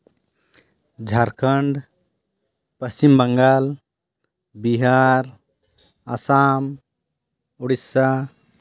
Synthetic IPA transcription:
d͡ʒʱaɾkʰəɳɖ | pəst͡ʃimbəŋɡaːl | biɦaɾ | əsam | uɽisa

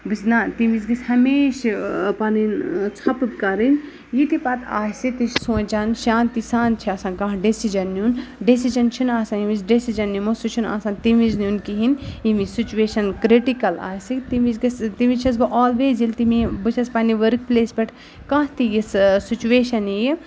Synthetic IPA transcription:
bɨsnat̪imizɡɐsʲhɐmeːʃpaːnint͡sʰɐpbkɐɾin | jit̪ipɐt̪ʰa̰ːjsit̪it͡ʃsõːt͡ʃaːnʃaːnt̪isaːnt͡ʃʰiɐsãːnkãːɦɖesid͡ʒɐnːiunɖisid͡ʒɐnt͡ʃʰinaːsãnjimisɖesid͡ʒɐnːimosut͡ʃʰina̰ːsãːnt̪imiznunkiɦinimisit͡ʃuʋeːʃɐnkɾiʈikɐla̰ːjsikt̪imizɡist̪imit͡ʃʰɐs̬bɐʔɔːlʋeːzilt̪imibɨt͡ʃʰɐspaːniʋɐɾk̚pleːsbɐʈʰ | kɐ̃ɦt̪ijissit͡ʃueːʃɐniji

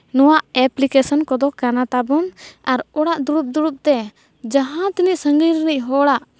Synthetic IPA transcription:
nɔwaʔɛplikɛsɔnkɔd̪ɔkanat̪abɔnaɾɔɽaʔd̪uɾup̚d̪uɽup̚t̪ɛ | d͡ʒaɦãt̪iniʔsəŋɡiɾnic̚ɦɔɽaʔ

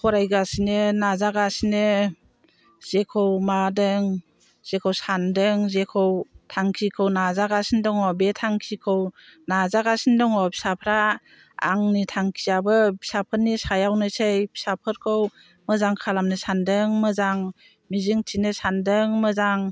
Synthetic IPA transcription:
kʰɔɾajɡasinɯnazaɡasinɯ | z̥ekʰɯwmadɯŋ | z̥ekʰɯwsandɯŋzekʰɯwtʰaŋkʰikʰɯwnazaɡasindɔŋɔbetʰaŋkʰikʰɯwnazaɡasindɔŋɔbi̥sapʰɾa̰ː | ŋnitʰaŋkʰijabɯbi̥sapʰɯnːisajawnɯsejpʰi̥sapʰɯɾkʰɯw | məzaŋkʰalamnɯsandɯŋmɯzaŋ | mizɯŋtʰinɯsandɯŋmɯzaŋ

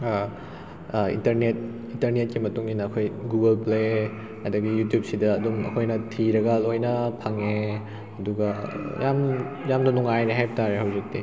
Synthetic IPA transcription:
ḭntɐɾnet̚ | intɐɾnet̚kimɐtuŋinɐːkʰojɡuɡɐlple | hajdɐɡijutjup̚sidɐːdumɐ̰kʰojnɐtʰiɾɐɡɐlojnɐpʰɐŋe | ɐduɡɐjam | jamdɐnuŋajɾeɦajbɐtaɾeɦawzik̚ti

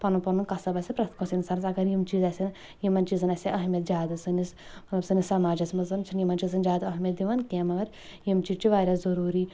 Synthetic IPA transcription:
pɐnupɐnunkɐsɐbɐsʲipɾɐt̪ʰkosʲinsɐɾsɐɡɐɾjimt͡ʃiːzɐsʲin | jimɐnt͡ʃiːzɨnɐsʲiʔɐɦmʲɐt̪zʲaːd̪ɨsɨnis | mɐt̪lɐbsɨnisɐmaːd͡ʒɐsmɐzɐnt͡ʃʰinjimɐnʲt͡ʃiːzɨnzʲaːd̪ɐɦmʲjɐt̪̚d̪iʋɐnkʲeːmɐʋɐɾ | jimt͡ʃiːzt͡ʃʰiʋaːɾʲazɐɾuːɾiː

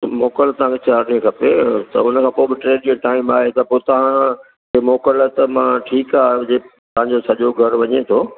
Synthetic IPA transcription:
moːkəlt̪ɐʋ̤ɦãkʰet͡ɕaːɾɗiẽkʰɐpet̪ɐʊnəkʰãːpoːbɪʈɾeːɖd͡ʑoʈaːɪmaːɦet̪ɐpoːt̪ɐɦã | kemɔːkəlt̪mãʈʰiːkaːd͡ʑe | t̪ɐɦãɲ̆d͡ʑosɐʄoɡʱɐɾʋɐɲet̪ʰoː

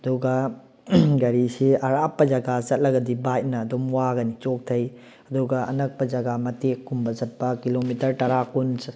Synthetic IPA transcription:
ɐduɡɐ | ɡɐɾisiɐɾapːɐd͡ʒɐɡazɐt̚lɐɡɐdibat̚nɐːdomwaɡɐnit͡ʃok̚tʰɐj | ɐduɡɐɐ̰nɐk̚pɐd͡ʒɐɡamɐtekːumbɐzɐt̚pɐkilomitɐɾtɐɾakuns

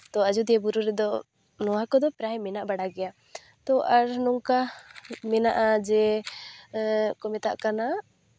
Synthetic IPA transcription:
t̪ɔad͡ʒud̪ɛɛbuɾuɾɛd̪ɔ | nɔwakɔd̪ɔpɾajmɛnaʔbaɽaɡɛja | t̪ɔʔaɾnɔŋkamɛnaʔad͡ʒɛ | kɔmɛt̪a̰ʔkana

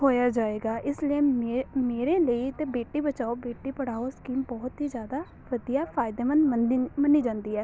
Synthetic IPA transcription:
ɦoːjaːd͡ʒaːeːɡaːʔɪsliemeːɾeːləit̪ẽːbeːʈiːbət͡ʃaːoːbeːʈiːpəɽ̤aːoskiːmbɔːt̪ɦiːzjaːd̪aː | ʋəd̪ijaːfʰaːɪd̪eːmənənməniːd͡ʒãːnd̪iːɦɛː

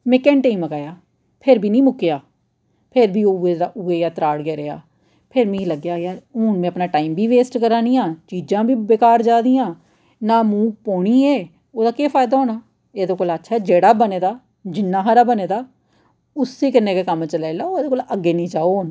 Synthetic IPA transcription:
mẽːkɛːɳʈeiːməɡaːjaː | pʰɪɾbʱiːnĩːmʊkːejaː | pʰɪɾbʱiːoeaʊeːjaːt̪ɾaːɽɡeːɾea̰ː | pʰɪɾmĩːləɡjaːjaːɾuːnmẽːəpnaːʈaːiːmbʱiːʋeːsʈkəɾaːniːãːt͡ʃiːd͡ʒãːbʱiːbeːkaːɾd͡ʒaːd̪iːjãː | naːmuːk̚poːɽiːeː | oːd̪aːkeːpʰaːjd̪aːɦoːnaː | eːd̪oːkoːlətːʃʰaːɛːd͡ʒeːɽaːbəneːd̪aː | d͡ʒɪnːãːɦaɾaːbəneːd̪aː | ʊsːeːkəɾneːkeːkəmt͡ʃəlaːlaːoːeːd̪oːkoːləɡːeːnĩːd͡ʒaːoː

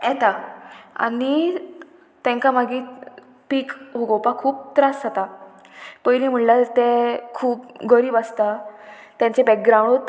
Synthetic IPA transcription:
jɛt̪aa̰ni | t̪ɛ̃ŋkamaɡiː | piːkɦuɡowpakʰuːp̚t̪ɾasɦat̪a | pəjliːm̤əɳlat̪ẽkʰuːpɡəɾiːbast̪a | t̪jãɲt͡ɕebɛk̚ɡɾãw̃ɳt̪

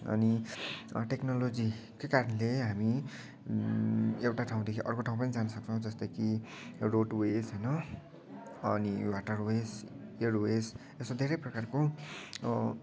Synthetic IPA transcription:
ʌ̰ni | ʈeknʌlod͡zikekaɾʌnleɦami | ewʈaʈʰaw̃d̪ekʰiʔʌrkoʈʰaũpʌnid͡zanʌsʌk̚t͡sʰʌw̃d͡zʌst̪ʌjkiroʈwesɦʌjnʌ | ʌniwaʈʌrweseɽwes | esod̪ʱeɾʌjprʌkarko

